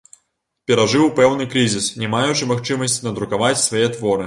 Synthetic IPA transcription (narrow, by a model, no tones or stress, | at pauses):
pʲɛɾaʐɨwpɛwnɨkɾɨzʲisnʲɛmajut͡ʃɨmaxt͡ʂɨmɐsʲt͡sʲnɐd̪ɾukavat͡sʲsvajɛt̪ʋɔɾɨ